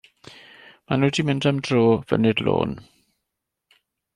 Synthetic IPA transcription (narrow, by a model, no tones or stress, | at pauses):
manuːdimɪndamdroːv̥ə̰nɪdlo̰ːn